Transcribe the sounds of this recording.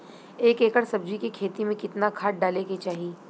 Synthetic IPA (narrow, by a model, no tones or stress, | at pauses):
eːkeːkəɽsɐb̚d͡ʒikikʰeːt̪imẽkɪt̪nakʰaːʈ̚ɖaːleket͡ʃaːɦieː